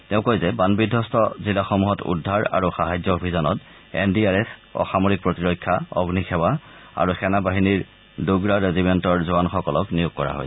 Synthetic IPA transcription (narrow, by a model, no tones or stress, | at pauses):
tɛʊ̃kojzɛbanbidʱːɔstʰɔzilaxɔmuɦɔtṵdʱːaɹa̰ɹuxaɦajzɔobʱizɔnɔt | ḛndiaɹɛsɔ̰xamoɹik̚pɹotiɹɔjkʰːaɔ̰ɡnixʰɛwa | a̰ɹuxɛnabaɦiniɹ | duɡɹaɹezibɛntɔɹzuanxɔkɔlɔknijuɡ̚kɔɹa̰ɦo̰js